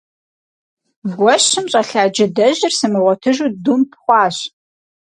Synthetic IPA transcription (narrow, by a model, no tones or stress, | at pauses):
vɡʷɔɕɨmɕʼɐɬaːd͡ʒɪdɐʑɪrsɨmɨʁʷɔtʰɨʒudumpχʷɑːɕ